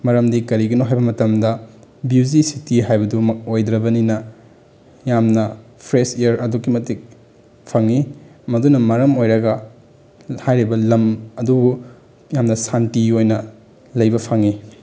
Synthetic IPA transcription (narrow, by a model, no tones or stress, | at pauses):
mɐɾɐmdikɐɾiɡɐnoɦajbɐmɐtɐmdɐbud͡ʒisitiɦajbɐdumɐk̚ojd̪ɾɐbɐninɐ | jamnɐpʰɾesejɐɾɐdukimɐtik̚ | pʰɐŋːimɐdunɐmɐɾɐmojɾɐɡɐ | hajɾibɐlɐmɐdubu | jamnɐsantiojnɐ | lɐjbɐpʰɐŋi